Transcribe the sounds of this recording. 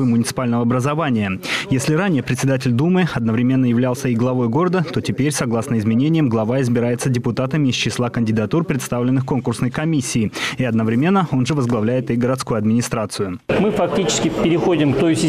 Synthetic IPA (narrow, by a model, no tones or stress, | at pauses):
ɨmʊnʲɪt̪sɨ̥palʲnəvəɐbɾəzɐvanʲɪjəjesʲlʲɪɾanʲɪjəpɾʲɪt̪sʲɪd̪at̬ʲɪlʲd̪umɨɐd̪nəvɾʲɪmʲe̞nːəjɪvlʲalˠsʲəiɡlˠɐvo̞jɡo̞ɾəd̪ət̪o̞tʲɪpʲeɾʲsɐɡlˠasnəɪzmʲɪnʲenʲɪjəmɡlˠɐvaɪzbʲɪɾajɪt̪sədʲɪpʊt̪at̪əmʲɪːst͡ɕɪslˠakənʲdʲɪd̪ɐt̪urpɾʲɪt̪st̪avlʲɪnːɨxko̞nkʊrsnəjkɐmʲisʲːɪːɪɐd̪nəvɾʲɪmʲe̞nːəo̞nʐɨvəzɡlˠɐvlʲæjɪt̪iɡəɾɐt̪skujʊɐd̪mʲɪnʲɪst̪ɾat̪sɨjʊmɨfɐk̚tʲit͡ɕɪ̥skʲɪfʲpʲɪɾʲɪxo̞dʲɪmkt̪ojsʲɪ